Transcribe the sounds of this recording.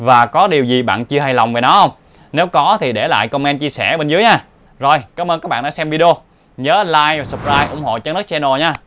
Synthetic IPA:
vaː˨˩kɔ˨˦ɗi˨˩əwzi˨˩ɓa̰ː˧˨nt͡ɕɨ˧əɦa˧jla˨˩wŋ͡mve˨˩nɔ˨˦hə˧wŋ͡m | ne˨˦wkɔ˨˦t̪ʰi˨˩ɗe˧˩la̰ː˧˨jkə˧wmɛ˧nt͡ɕi˧əsɛ˧˩ɓe˧nzɨ˨˦jɲaː˧ | zo˨˩jkaː˨˦mʔə˧nkaː˦˥k̚ɓ̰aː˧˨ɗaː˧˦sɛ˧mvi˧ɗo˧ | ɲəː˨˦laː˧jsə˨˩p̚zaː˧jʔʊ̰˧˩ŋ͡mho̰˧˨t͡ɕa˧˦n˦˥k̚t͡ɕɛ˧no˨˩ɲaː˧

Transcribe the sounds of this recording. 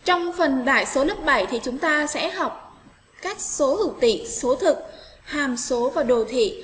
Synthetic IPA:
t͡ɕɔ˧wŋ͡mfə˨˩nɗaː˧˩jso˨˦lə˦˥p̚ɓa˧˩jt̪ʰi˨˩t͡ɕʊ˨˦ŋ͡mt̪aː˧sɛ̰˧˥ɦa˨˩wk͡p̚ | kaː˦˥jk̚so˨˦hɨ̰˧˩˨wt̪ḭ˧˨so˨˦t̪ʰɨ˨˩k̚haː˨˩mso˨˦vaː˨˩ɗo˨˩t̪ʰḭ˧˨

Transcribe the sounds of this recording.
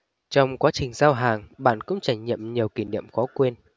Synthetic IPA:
t͡ɕɔ˧wŋ͡mkwaː˨˦t͡ɕï˨˩ŋ̟zaː˧wɦaː˨˩ŋɓa̰ː˧˨nkʊ̰˧˥ŋ͡mt͡ɕaː˧˩jŋɲḭ˧˨əmɲi˨˩əwki˧˩nḭ˧˨əmxɔ˨˦kwe˧n

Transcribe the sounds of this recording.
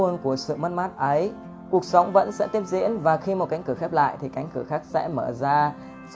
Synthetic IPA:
ənku˧˩əsɨ̰˧˨mə˦˥t̚maː˦˥t̚ʔə˨˦j | ku˨˩ək̚sa˨˦wŋ͡mvə̰˧˥nsɛ̰˧˥t̪i˦˥əp̚zḭ˧˥ənvaː˨˩xi˧mo˨˩t̚ka˨˦ŋkɨ˧˩xɛ˦˥p̚la̰ː˧˨jt̪ʰi˨˩ka˨˦jŋ̟kɨ˧˩xaː˦˥k̚sɛ̰˧˥məː˧˩zaː˧

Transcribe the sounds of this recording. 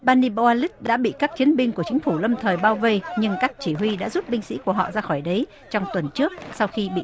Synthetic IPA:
ɓaː˧ni˧ɓo˧a˧li˦˥t̚ɗa̰ː˧˥ɓḭ˧˨kaː˦˥k̚t͡ɕi˨˦ənɓï˧ŋku˧˩ət͡ɕï˨˦ŋ̟fu˧˩lə˧mt̪ʰəː˨˩jɓaː˧wvə˧jɲɨ˧ŋkaː˦˥k̚t͡ɕi˧˩ɦwi˧ɗa̰ː˧˥zu˦˥t̚ɓï˧ŋ̟sḭ˧˥ku˧˩əɦɔ̰˧˨zaː˧xɔ˧˩jɗə˨˦j | t͡ɕɔ˧wŋ͡mt̪wə˨˩nt͡ɕɨ˦˥ək̚sa˧wxi˧ɓḭ˧˨

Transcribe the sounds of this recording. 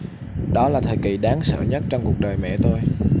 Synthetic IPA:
ɗɔ˨˦laː˨˩t̪ʰəː˨˩jki˨˩ɗaː˨˦ŋsə̰ː˧˨ɲə˦˥t̚t͡ɕɔ˧wŋ͡mku˨˩ək̚ɗəː˨˩jmɛ̰˧˨t̪ʰo˧j

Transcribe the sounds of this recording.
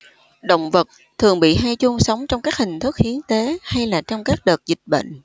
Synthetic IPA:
ɗə̰˧˨wŋ͡mvə˨˩t̚ | t̪ʰɨ˨˩əŋɓḭ˧˨ɦaː˧jt͡ɕʊ˧ŋ͡msə˨˦wŋ͡mt͡ɕɔ˧wŋ͡mkaː˦˥k̚hï˨˩ŋ̟t̪ʰɨ˦˥k̚hi˨˦ənt̪e˨˦ha˧jlaː˨˩t͡ɕɔ˧wŋ͡mkaː˦˥k̚ɗəː˨˩t̚zï˨˩k̟̚ɓə̰˧˨ŋ̟ʔ

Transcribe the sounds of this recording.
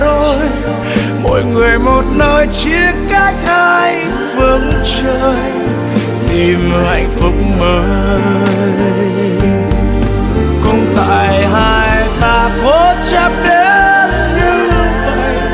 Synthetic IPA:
o˧j | mo̰˧˨jŋɨ˨˩əjmo˨˩t̚nəː˧jt͡ɕi˦˥əkkaː˦˥k̚ʔa˧j | fɨ˨˦ŋt͡ɕə˧j | t̪i˧˩mha˨˧˩jŋ̟fɨ˨˧˩k͡p̚ŋ͡mməː˨˦ | kʊ˧ŋ͡mt̪a̰ː˧˨jɦaː˧jj | t̪aː˧fo˦˥t͡ɕa˦˥p̚ɗe˨˦ | ɲɨ˧ | və˧˨j

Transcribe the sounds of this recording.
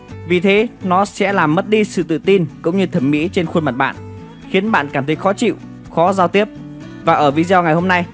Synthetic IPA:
vi˨˩t̪ʰe˨˦nɔ˨˦sɛ̰˧˥laː˨˩mːə˦˥t̚ɗi˧sɨ̰˧˨t̪ɨ̰˧˨t̪i˧nkʊ̰˧˥wŋ͡mɲɨ˧t̪ʰə˧˩mmḭ˧˥t͡ɕe˧nxu˧ənma˨˩t̚ɓa̰ː˧˨n | xi˨˦ənɓa̰ː˧˨nkaː˧˩mt̪ʰə˨˦jxɔ˨˦t͡ɕḭ˧˨w | xɔ˨˦zaː˧wt̪i˦˥əp̚ | vaː˨˩ʔəː˧˩vi˧zɛ˧wŋa˨˩jɦo˧mna˧j

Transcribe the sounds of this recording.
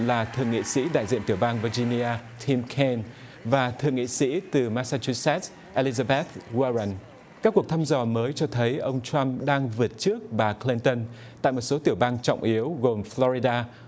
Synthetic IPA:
laː˨˩t̪ʰɨ̰˨˩əŋḭ˧˨sḭ˧˥ɗa̰ː˧˨jzḭ˧˨nt̪i˧˩əwɓaː˧ŋvi˧zi˧ni˧aː˧t̪ʰi˧mkʰɛ˧n | vaː˨˩t̪ʰɨ̰˨əŋːḭ˧˨sḭ˧˥t̪ɨ˨˩maː˧saː˧t͡ɕu˧sɛ˦˥t̚ | ʔe˧li˧zaː˧ɓɛ˦˥t̪̚ɣwaː˧ɹa˧˩n | kaː˦˥kːu˨˩ək̚t̪ʰaː˧mzɔ˨˩məː˨˦jt͡ɕɔ˧t̪ʰə˨˦jʔə˧wŋ͡mt͡ɕa˧mɗaː˧ŋvɨ˨˩ət̚t͡ɕɨ˦˥ək̚ɓaː˨˩kli˧nt̪ə˧n | t̪a̰ː˧˨jmo˨˩t̚so˨˦t̪i˧˩əwɓaː˧ŋt͡ɕɔ̰˧˨wŋ͡mʔi˨˦əwɣo˨˩mflɔ˧ɹi˧ɗaː˧

